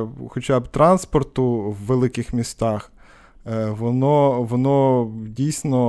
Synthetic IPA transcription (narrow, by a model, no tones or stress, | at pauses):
xɔt͡ʃabt̪ɾɑnspɔrt̪ʊʋːelˠɪkɪxmʲist̪ɑx | ʋɔnɔʋɔnɔdʲijsʲnɔ